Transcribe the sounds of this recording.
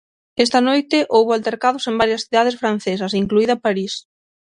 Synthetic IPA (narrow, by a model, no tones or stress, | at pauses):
est̪ɐnojt̪ɪʔowβʊalt̪eɾkaðʊsembaɾjɐsθiðað̞esfɾan̟θes̬ɐsiŋkluiðɐpaɾis